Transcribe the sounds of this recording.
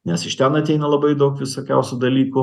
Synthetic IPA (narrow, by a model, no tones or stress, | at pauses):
nʲɛsɪʃt̪ʲɛnɐt̪ʲɛɪnɐlˠɐbɐɪd̪ɐʊkʋʲɪsoːkʲæʊsʲud̪ɐlʲiːkʊ